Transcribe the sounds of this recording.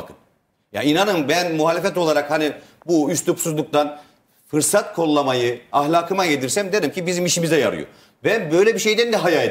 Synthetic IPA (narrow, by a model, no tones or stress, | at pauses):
kɯn | ja̰inanɯmbænmuɦaːlʲefɛt̪o̞lˠaɾakhanibuyst̪ʰupsuzlˠuk̚t̪ʰan | fɯɾsat̪̚kʰo̞lˠːamajɯaɦlʲaːkʰɯmaɟe̞d̪iɾsæmd̪eɾimcibizimiʃimizɛja̰ɾɯ̰jo̰ | bænbøjlʲebiʃe̞jd̪ænd̪ɛɦajae